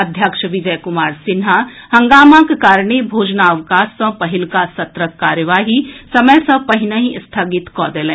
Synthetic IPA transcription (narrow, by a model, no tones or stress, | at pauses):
ɐd̪ʱjakʃəʋɪd͡ʒɐjkʊmaːɾsɪnɦahɐ̃ŋɡaːmãkkaːɾɳ̃ebʱoːd͡ʒnaɐʋkaːsːɐ̃pɐɦɪlkasɐt̪ɾəkːaːɾjəʋaːɦisɐməjsɐ̃pɐɦɪnəɦĩst̪ʰaːɡɪt̪kɔːd̪eːlẽː